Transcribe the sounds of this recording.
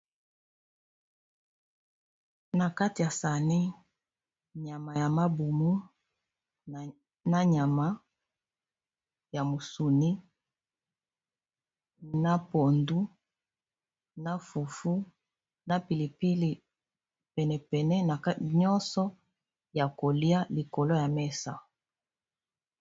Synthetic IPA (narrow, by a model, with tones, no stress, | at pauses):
na˨ka˦ti˨ja˨sa˨ni˦ | ɲa˨ma˨ja˨ma˦bu˨mu˦ | na˦ɲa˨ma˦ | ja˨mo˨su˨ni˦ | na˦po˨ndu˦ | na˦fu˨fu˦ | na˦pi˨li˨pi˦li˨ | pɛ˨nɛ˨pɛ˨nɛ˦na˨ka˦˨ɲɔ˦nsɔ˦ | ja˨ko˨li˦a˦li˨ko˨lo˦ja˨mɛ˦sa˨